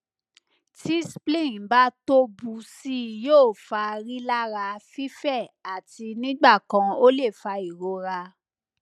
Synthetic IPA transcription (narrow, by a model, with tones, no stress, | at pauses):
ti˦si˦plĩ˦˨ba˦to˦bu˧si˦joː˦˨fa˧ɾi˦la˦ɾa˧fi˦fɛ˦˨a˨ti˧nĩ˦ɡ͡ba˦˨kã˧o˦le˦˨fa˧i˨ɾo˧˦ɾa˧